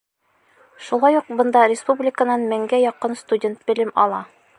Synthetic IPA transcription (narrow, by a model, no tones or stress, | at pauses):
ʃulˠɑjuq̚bɤ̆nd̪ɑrʲɪspublʲɪkənɑnmæŋɡæjɒqɤnst̪udʲe̞nt̪̚bɘ̆lɘmɒ̰lˠɑ